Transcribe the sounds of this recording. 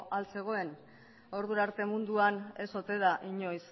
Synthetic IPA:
ʔalt͡se̞ɣ̞o̞e̞n | o̞ɾðuɾaɾt̪e̞mund̪uane̞so̞t̪e̞ðaʔiɲo̞js

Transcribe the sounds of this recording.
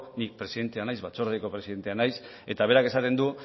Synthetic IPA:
nik̚pɾe̞siðe̞nt̪eanajzβat͡so̞ɾðeko̞pɾesiðe̞nt̪eanajs | e̞t̪aβ̞e̞ɾake̞sat̪e̞nd̪u

